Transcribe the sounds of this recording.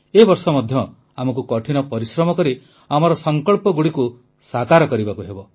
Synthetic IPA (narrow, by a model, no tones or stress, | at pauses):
ebɔɾsɔmɔd̪ʱjɔ | amɔkukɔʈʰinɔpɔɾisɾɔmɔkɔɾi | amɔɾɔsɔŋkɔɭpɔɡuɽiku | sakaɾɔkɔɾibakuɦebɔ